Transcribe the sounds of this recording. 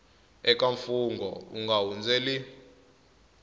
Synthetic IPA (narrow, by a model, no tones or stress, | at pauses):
ɛk̬ʼaɱfuŋɡʱɔ̰ṵŋɡawund͡zɛli